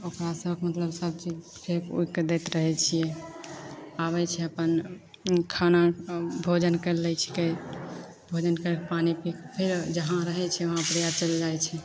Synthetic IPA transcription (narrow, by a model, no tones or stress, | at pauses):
okɾasəbkemət̪ləbsəb̚t͡ʃid͡ʒʈʰekṵked̪ɛt̪ɾəɦɛt͡ʃʰijɛ | abɛt͡ʃʰɛəpən | kʰanabʱod͡ʒənkəɾlɛt͡ʃʰɛ̥ke | bʱod͡ʒənkəɾkepanipikpʰiɾd͡ʒəɦãɾəɦɛt͡ʃʰɛoɦãpɾjat͡ʃəld͡ʒajt͡ʃʰɛ